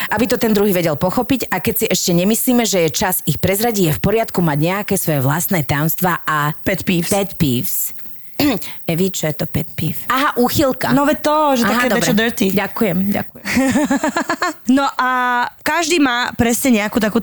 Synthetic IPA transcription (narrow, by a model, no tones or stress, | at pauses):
ʔabit̪ɔt̪ɛnd̪ɾuɦiːʋɛɟɛlpɔxɔpicakɛcsiʔɛʃcɛɲɛmisliːmɛʒɛjɛt͡ʃazixpɾɛzɾaɟijɛfpɔɾɪat̪kumaɟɲɛakɛːsʋɔjɛʋlast̪nɛːt̪ajɔmst̪ʋaʔapɛt̪piːfpɛt̪pḭːfs | ɛʋit͡ʃɔjɛt̪ɔpɛt̪pifaɦaʔuːxilˠka̰nɔʋɛt̪ɔʒɛaɦakɛd̪ɔɛbɾɛɔd̪əɾt̪iɟakujɛma̰ | nɔʔakaʒd̪iːmaːpɾɛsɲɛɲɛakuːt̪akuː